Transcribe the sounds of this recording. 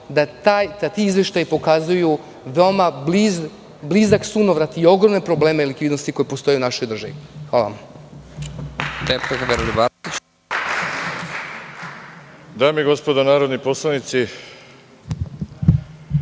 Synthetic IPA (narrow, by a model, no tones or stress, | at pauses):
d̪at̪ajd̪at̪iizʋje̞ʃt̪ajpo̞kazuju | ʋeomabliz | blizaksunoʋɾat̪io̞ɡɾo̞mnepɾo̞ble̞ːmeilikʋiːd̪nost̪iko̞jepo̞st̪o̞junaʃo̞jd̪r̩ʒaʋixʋaːlˠa̰a̰m | d̪epekʋeɾlibat̪it͡ɕ | d̪aːmiɡo̞spod̪onaːɾod̪niposlˠanit̪si